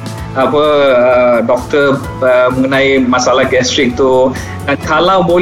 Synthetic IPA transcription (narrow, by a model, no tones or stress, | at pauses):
apəədɔk̚t̪ə | əməŋənãjmasalahɡɛstɾik̚t̪u | dankalawbol